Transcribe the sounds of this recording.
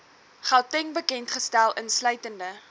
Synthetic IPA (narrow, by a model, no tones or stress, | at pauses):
χaltɛŋbəkɛntχəstælˠʔənslœɥtəndə